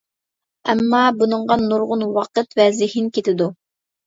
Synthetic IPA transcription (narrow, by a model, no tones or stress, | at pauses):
ɛ̰mːɑbunɨɴʁɑnːuɾʁʊnwɑqət̪vɛzɪhinkʲet̪ʰɪd̪u